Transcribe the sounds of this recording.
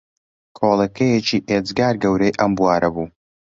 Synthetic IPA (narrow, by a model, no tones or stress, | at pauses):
kʰolˠɐkʰɐjet͡ʃiːʔed͡zɡaːɾɡɐwɾɐjʔɐmbuwaːɾɐbuː